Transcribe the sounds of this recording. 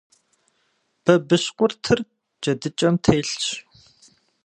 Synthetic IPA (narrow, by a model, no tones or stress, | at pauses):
b̥ɐbɨɕqʷʊrtʰɨr | d͡ʒɐdɨt͡ʃʼɐmtʰeːɬt͡ʃ